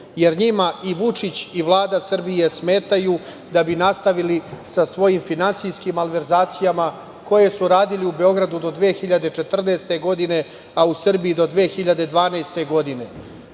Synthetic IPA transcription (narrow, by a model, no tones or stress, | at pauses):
je̞ɾɲimaiʋut͡ʂit͡ɕiʋlˠaːd̪asr̩bije̞sme̞ːt̪aju | d̪abinast̪aʋilisasʋo̞jimfinansijskimalʋe̞ɾzaːt̪sijama | ko̞je̞suɾaːd̪iliube̞o̞ɡɾad̪ud̪o̞d̪ʋeːxiʎad̪e̞t͡ʃet̪r̩neːst̪e̞ɡo̞d̪ine̞ | ausr̩bijid̪o̞d̪ʋeːxiʎad̪e̞d̪ʋaːnejst̪e̞ɡo̞d̪ine̞